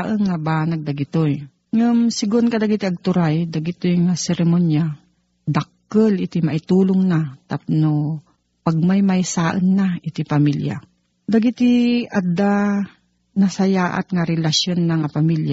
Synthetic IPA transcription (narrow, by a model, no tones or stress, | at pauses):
ʔənŋabaːnɐɡ̚d̪ɐɡɪt̪oj | ŋʊmsɪɡʊnkɐd̪ɐɡit̪ɪʔɐɡ̚t̪ʊɾajd̪ɐɡɪt̪ojŋasɛɾɛmonja | d̪ɐk̚ː | əlʔɪt̪ɪmɐʔɪt̪uːlʊŋnat̪apno | pɐɡ̚majmɐjsaːʔənːaɪt̪ɪpɐmilja̰ | d̪ɐɡit̪ɪʔɐd̪a | nɐsɐjaːʔa̰t̪ŋaɾɛlɐsjonːɐŋapɐmilja